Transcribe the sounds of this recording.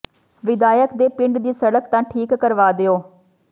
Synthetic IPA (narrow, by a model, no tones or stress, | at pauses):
ʋɪd̪aːjəkd̪eːpɪ̃ɳɖd̪iːsəɽəkt̪ãːʈʰiːkːəɾʋaːd̪eoː